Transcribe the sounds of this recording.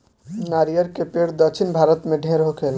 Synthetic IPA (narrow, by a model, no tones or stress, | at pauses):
naːɾijəɾkepeːɽd̪ət͡ʃʰɪnbʱaːɾət̪mẽɖʱẽːɾɦokʰeːl